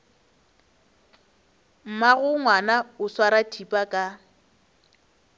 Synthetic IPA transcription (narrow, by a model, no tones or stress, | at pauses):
m̩maɣʊŋwanaʊswaɾatʰipʼakʼa